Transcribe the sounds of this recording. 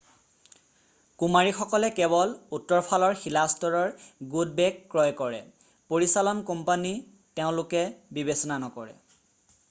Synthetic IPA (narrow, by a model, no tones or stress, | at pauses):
kumaɹixɔkɔlɛkɛβɔlutːɔɹpʰalɔɹxilastɔɹɔɹɡud̚bɛkːɹɔjkɔɹɛ̰ | poɹisalɔnkɔmpani | teʊ̃lʊkɛbibesɔnanɔkɔɹɛ̰